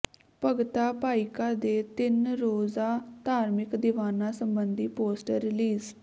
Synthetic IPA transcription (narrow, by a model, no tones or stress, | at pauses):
pəɡt̪aːpaːɪkaːd̪eːt̪ɪnɾoːzaːt̪aːɾmɪkd̪ɪʋaːnãːsəmbənd̪iːpoːsʈəɾːɪliːz